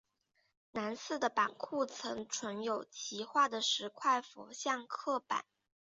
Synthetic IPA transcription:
na˧˥nsɹ̩˥˩d̪ə˩pa˨˩nkʰu˥˩t͡sʰɤ˧˥ŋʈ͡ʂʰwə˧˥njo˨˩ʊt͡ɕʰi˧˥xwa˥˩d̪ə˩ʂɻ̩˧˥kʰwa˥˩ɪfɔ̰˧˥ɕjɑ˥˧ŋkʰɤ˥˩pa̰˨˩˦n

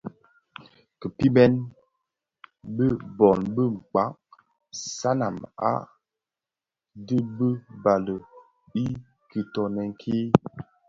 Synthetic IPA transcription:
kə˨pi˦bɛ˦n | bə˦bɔ˨nbə˦ŋ͡m̩˨k͡pa˨˦k̚ | sa˦na̰˨ma̰˦ | də˦bə˦ba˨lə˨ | i˦ | ki˨tɔ˨nɛ˨ŋkʰe˦

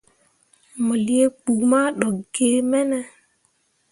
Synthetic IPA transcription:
mo˨li˦e˦k͡pu˨ma˦ɗɔ˨ɡ̥e˨mɛ˦nɛ˦

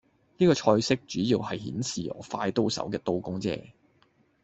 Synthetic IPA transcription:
niː˥kɔː˧t͡ʃʰɔː˧jsɪ˥k̚t͡ʃyː˨˥jiː˧wɦɐ˨jhḭː˨˥nsiː˨˩ʔɔ̰ː˨˥faː˧jt̪o˥wsɐ̰˨˥wkɛː˧t̪o˧wkʊ˥ŋt͡sɛ̰ː˧˥

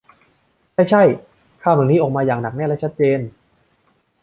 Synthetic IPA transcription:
t͡ɕa˥˩jt͡ɕʰa˥˩j | kʰaː˥˩wma˨˩niː˦˥ʔɔː˨˩k̚maː˧jaː˨˩ŋna˨˩k̚nɛː˥˩lɛ˦˥t͡ɕʰa˦˥t̪̚t͡ɕeː˧n

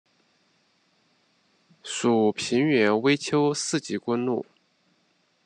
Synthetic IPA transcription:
su˨˩pʰi˧˥nɥɛ˧˥nwe˥ɪt͡ɕʰjo˥ʊsɹ̩˥˩t͡ɕi˧˥kwə˥nlu˥˩

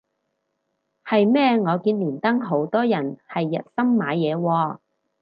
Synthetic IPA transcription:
hɐ˨jmɛː˥ŋɔː˨˧kiː˧nliː˨˩nt̪ɐ˥ŋɦo˨˥wt̪ɔː˥jɐ˨˩nhɐ˨jːɐ˨t̚sɐ˥mːaː˨˧jɛː˨˧wɔː˧

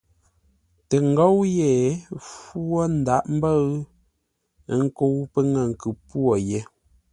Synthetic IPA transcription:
te˨ŋ̩˨ɡo˦wje˨fwo˦n̩˦da˨˦ʔm̩˦bə˦ɰ | ŋ̩˦ko˦wpə˦ŋə˨ŋ̩˨kʉ˨pwo˨je˨˦

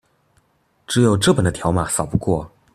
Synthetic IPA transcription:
ʈ͡ʂɻ̩˧˥jo˨˩ʊʈ͡ʂɤ˥˩pə˨˩nd̪ə˦t̪ʰjɑ˧˥ʊma˨˩sɑ˨˩pu˧kwɔ˥˩

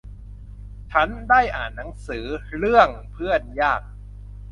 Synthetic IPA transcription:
t͡ɕʰa˦˥ndaː˥˩jʔaː˨˩nːa˩˦ŋsɯː˩˦ɾɯ˥˩əŋpʰɯ˥˩ənjaː˥˩k̚

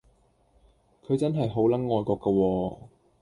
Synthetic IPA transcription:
kʰɵ˨˧ɥt͡sɐ˥nɦɐ˨jɦo˨˥wlɐ˨˥nŋɔː˨˧jkɔː˧kːɐ˧wɔː˧

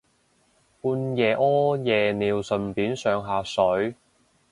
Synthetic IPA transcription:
puː˧njɛː˨˩ʔɔː˥jɛː˨niː˨˧wsɵ˨npiː˨˥nsœː˨˧ŋɦaː˨˧sɵ˨˥ɥ

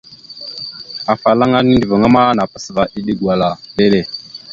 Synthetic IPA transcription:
a˨fa˨la˦ŋa˦ni˦ndə˨va˨ŋa˦ma˦na˨pa˨sva˨ʔi˦ɗi˦ɡwa˨la˨ɗe˦le˨

